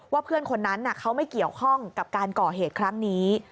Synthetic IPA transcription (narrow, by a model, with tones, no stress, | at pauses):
waː˥˩pʰɯ˥˩ənkʰo˧nːa˦˥nːa˨˩kʰa˦˥wma˥˩jki˨˩əwkʰɔ˥˩ŋka˨˩p̚kaː˧nkɔː˨˩ɦeː˨˩t̪̚kʰɾa˦˥ŋniː˦˥